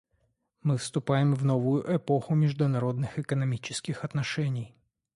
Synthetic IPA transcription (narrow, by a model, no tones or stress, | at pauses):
mɨfst̪ʊpajɪmvno̞vʊjʊʔɛpo̞xʊmʲɪʐd̪ʊnɐɾo̞d̪nɨxɨkənɐmʲit͡ɕɪskʲɪxɐt̪nɐʂɛnʲɪj